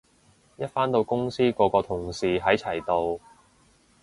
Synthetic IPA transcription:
jɐ˥t̚faː˥nt̪o˧wkʊ˥ŋsiː˥kɔː˧kɔː˧t̪ʰʊ˨˩ŋsiː˨ɦɐ˨˥jt͡sʰɐ˨˩jt̪o˧w

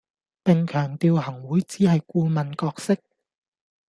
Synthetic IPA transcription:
pɪ˨ŋkʰœː˨˩ŋt̪iː˨whɐ˨˩ŋwuː˨˥jt͡siː˨˥hɐ˨jkuː˧mɐ˨˩nkɔː˧k̚sɪ˥k̚

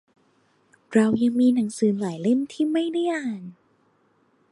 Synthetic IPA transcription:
ɾa˧wja˧ŋmiː˧na˩˦ŋsɯː˩˦laː˨˩˦jle˥˩mt̪ʰiː˥˩ma˥˩jda˥˩jʔaː˧˩n

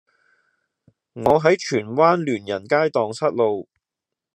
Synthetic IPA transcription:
ŋɔː˨˧ɦɐ˨˥jt͡ʃʰyː˨˩nwaː˥nlyː˨˩njɐ˨˩nkaː˥jt̪ɔː˨ŋsɐ˥t̚lo˨˧w

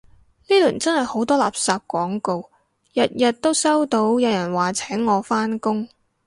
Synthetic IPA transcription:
niː˥lyː˨˩nt͡sɐ˥nhɐ˨jho˨˥wt̪ɔː˥la̰ː˨p̚saː˨˧p̚kʷɔː˨˥ŋko˧w | jɐ˨t̚jɐ˨t̚t̪ːo˥wsɐ˥wt̪o˨˧˥wjɐ˨˧wjɐ˨˩nwaː˨˩t͡sʰɛː˨˥ŋːɔː˨˧faː˥nkʊ˥ŋ

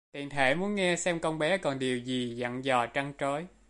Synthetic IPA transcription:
t̪ḭ˧˨ənt̪ʰe˧˩mu˨˦ənŋɛ˧sɛ˧mkə˧wŋ͡mɓɛ˨˦kɔ˨˩nɗi˨˩əwzi˨˩zə̰˧˨nzɔ˨˩t͡ɕa˧ŋt͡ɕo˨˦j

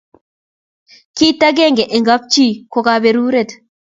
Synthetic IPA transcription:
ki˦t̪ːa˦ɡeː˦˨ŋɡe˨ʔe˨ŋɡa˦p̚t͡ʃi˦˨ko˨kabe˨ɾuː˦ɾe˨t̪

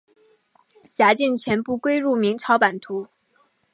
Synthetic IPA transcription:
ɕja˧˥t͡ɕi˥˩ŋt͡ɕʰɥɛ˧˥npu˥˩kwe˥ɪɻu˥˩mi˧˥ŋʈ͡ʂʰɑ˧˥ʊpa˨˩nt̪ʰu˧˥

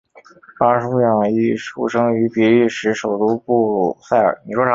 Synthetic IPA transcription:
pa˥ʂu˥jɑ˥˩ŋi˥˩ʂu˥˩ʂɤ˥ŋy˧˥pɛ˧˥i˥˩ʂɻ̩˧˥ʂo˨˩ʊt̪u˥pu˥˧u˨˩sa˥˩ɪə̰˞˨˩˥ni˨˩ʂwɔ˥˩˧

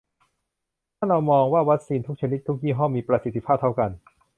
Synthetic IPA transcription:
t̪ʰaː˥˩nɾa˧wmɔː˧ŋwaː˥˩wa˦˥k̚siː˧nt̪ʰu˦˥k̚t͡ɕʰa˧ni˦˥t̪ʰːu˦˥k̚jiː˥˩ɦɔ˥˩miː˧pɾa˧si˨˩t̪ʰːi˦˥pʰaː˥˩p̚t̪ʰa˥˩wka˧n

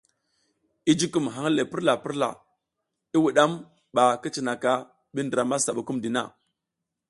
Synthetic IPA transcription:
i˦d͡ʒi˦ku˨mɦa˨˦ŋ˦le˨pi˦ɾla˨pi˦ɾla̰˨ | i˦wu˨ɗa˦m | ɓa˨ki˦t͡ʃi˨na˨ka˦ | ɓi˦ndə˨ɾa˨ma˦sa˨ɓu˨ku˦mdi˨na̰˦˨

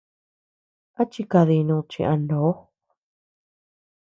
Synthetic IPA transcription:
a˦t͡ʃi˧ka˧ði˧nũː˧t͡ʃḭ̃˧ʔã˧ndo˨˦

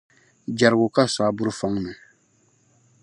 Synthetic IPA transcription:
d͡ʒa˨ɾɡo˨ka˦sa˨˦bu˦ɾu˦fã˦ŋnĩ˨

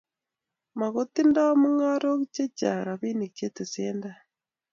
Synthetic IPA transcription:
ma˨ɣo˦ti˦ndɔ˦mu˦ŋa˦ɾo˦kt͡ʃe˦t͡ʃa̰˨ɾa˨βi˦ni˨kt͡ʃe˦te˨se˦nda˦

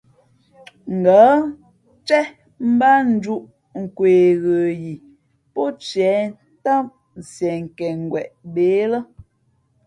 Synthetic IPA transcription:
ŋ̩˨ɡa˨˦ | t͡ʃɛ˦ | m̩˦ba˦n̩˦d͡ʒu˦ʔ | ŋ̩˨kweː˨ɣə˨ji˨ | pɔ˦t͡ʃɛ˨˦ | ta˦m | sjɛ˨ŋ˨kɛ˨ŋ˨ɡwɛ˨ʔbe˨˦lə˦

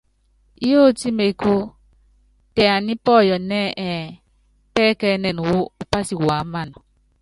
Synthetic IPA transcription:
i˦jo˦˨ti˦me˨ku˦ | tɛ˨a˨ni˦pɔ˦˨jɔ˨nɛ˦ʔɛ˨ | pɛ˦kɛ˦nɛ˨nu˨wo˦u˨pa˦si˨wa˨˦ma˦˨nɔ˨

